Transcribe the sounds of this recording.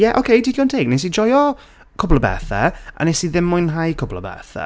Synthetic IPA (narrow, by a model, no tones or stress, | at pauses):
jɛʔo̰kʰejdikʰjɔntʰeːɡ̚nes̬id͡ʒɔjɔ | kʰʊblˠəbɛ̰ːθɛa̰nesiðɪmːʊjnɦajkʰʊblˠə̰bɛ̰θɛ̰